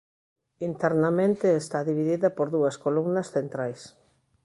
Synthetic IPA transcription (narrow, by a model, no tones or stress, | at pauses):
int̪ɛɾnamẽnt̪eːst̪aðiβiðiðɐpoɾðuɐskolumnɐsθent̪ɾajs